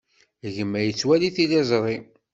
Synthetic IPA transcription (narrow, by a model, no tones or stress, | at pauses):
ʝəmːæjət͡sːwæliθilezˤɾˤi